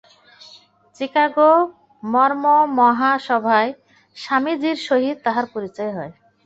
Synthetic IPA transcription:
t͡ɕikaɡo | mɔɾmomɔɦaʃɔbʱae | ʃamid͡ʑiɾʃoɦid̪̚t̪aɦaɾpoɾit͡ɕɔeɦɔe

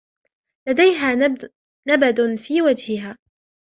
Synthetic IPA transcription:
lad̪ajɦaː | nabad̪ʊnfiːwad͡ʒhɪɦaː

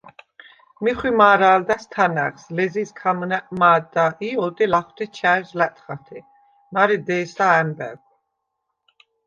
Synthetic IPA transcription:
miχwimaːɾaːld̪ast̪ʰana̰χslɛziskʰamnɛmaːd̪aʔiɔd̪ilaχwt̪ʰit͡ʃʰaslæt̪ʰʼχat̪ʰɛ | maɾid̪ɛːsaɛnbɛ̰k

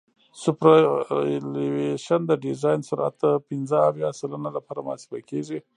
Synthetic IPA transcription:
sʊpɾaliweʃand̪əɖizɑjnsʊɾʔa̰t̪ːəpɪnzəːwjɑsalanalapɑɾamʊɑ̰si̥bakeʐi

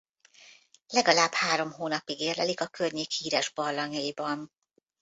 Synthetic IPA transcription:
lɛɡɒlaːbhaːɾo̞mɦoːnɒpiɡeːrlɛlikɒkørɲeːkhiːɾɛʒbɒrlɒɲɒjibɒn

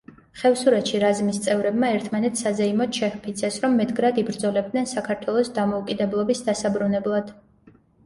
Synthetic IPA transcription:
χɛvsuɾɛt̪ʃiɾazmist̪sʼɛvɾɛbmaɛɾt̪ʰmanɛt̪sazɛimɔt̪ʃʰɛhpʰit̪sʰɛsɾɔmːɛt̪̚ʰʼɡɾad̪ibɾd̪zɔlɛb̚d̪nɛnsakʰaɾt̪ʰwɛlˠɔsd̪amɔukʼid̪ɛblˠɔbisd̪asabɾunɛblˠad̪̥

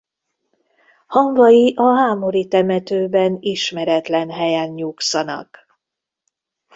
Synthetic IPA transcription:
hɒɱvɒjiʔɒɦaːmo̞ɾit̪ɛmɛt̪øːbɛniʃmɛɾɛt̪lɛnɦɛjɛnɲuːksɒnɒ̰k

